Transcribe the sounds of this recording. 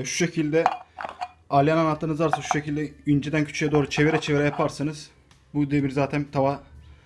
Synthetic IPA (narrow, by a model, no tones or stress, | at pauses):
ʃu̥ʃecʰilʲd̪ɛ | alʲijananat̪ːɯnɯzaɾsɯʃu̥ʃecilʲd̪ɛynd͡ʒed̪æncʰy̥t͡ʃʰyjɛd̪oːɾut͡ʃʰeveɾɛt͡ʃʰeveɾɛjapʰaɾsɯnɯz̥ | bud̪iebiɾzaːt̪ʰænt̪ʰava